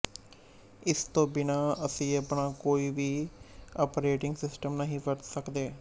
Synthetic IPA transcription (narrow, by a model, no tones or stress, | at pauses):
ɪst̪õːbɪnaːəsĩːəpɳaːkoːiːʋiːɔːpɾeːʈɪ̃ŋɡsɪsʈəmnəɦĩːʋəʈsəkd̪eː